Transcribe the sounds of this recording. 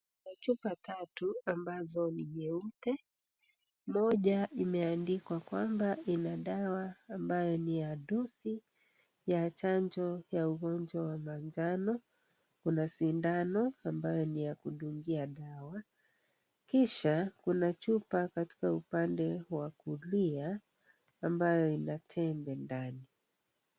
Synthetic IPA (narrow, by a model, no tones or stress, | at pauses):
kunat͡ʃupatatuambazɔniɲɛutɛ | mɔʄaʔimɛandikwakwambaʔinaɗawaːmbajɔnijaɗɔsi | jat͡ʃand͡ʒɔjauɣɔnd͡ʒwawamand͡ʒanɔ | kunasindanɔambajɔnijakuɗuŋɡiaɗawa | kiʃakunat͡ʃupakati̥kaupandɛwakulia | ambajɔinatʰɛmbɛndani